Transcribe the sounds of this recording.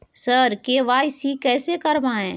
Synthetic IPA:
səɾkeːʋaːjsikɛːsekɐɾmaːẽː

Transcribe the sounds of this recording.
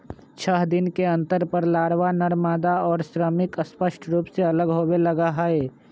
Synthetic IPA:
t͡ʃʰəɦd̪ɪnkeɐ̃nt̪əɾpəɾlaːɽʋanəɽmaːd̪aɔːɾsɾəmɪkəspəʃʈʰɾuːpseɐləɡɦoːwelɐɡaɦəe

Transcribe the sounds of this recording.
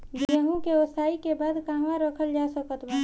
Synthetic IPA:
ɡəɦũkeosaːikebaːd̪kaːɦʋãɾəkʰəld͡ʒasəkət̪ba

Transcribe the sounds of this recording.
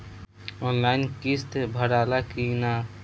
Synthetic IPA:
õnlaɪnkist̪bʱəɾaːlakina

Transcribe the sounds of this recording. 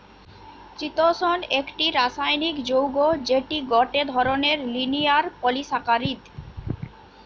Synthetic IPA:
t͡ɕit̪oʃonekʈiɾaʃajnikd͡ʑowɡod͡ʑeʈiɡɔʈed̪ʱɔɾoneɾlinijaɾpolisakaɾid̪

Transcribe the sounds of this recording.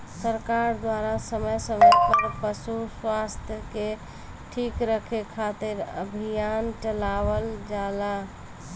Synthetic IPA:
səɾkaɾd̪waɾasəməjsəməpəɾpəsuswast̪ʰjəke | ʈʰikɾəkʰekʰat̪ɪɾəbʱijant͡ʃəlaʋəld͡ʒala

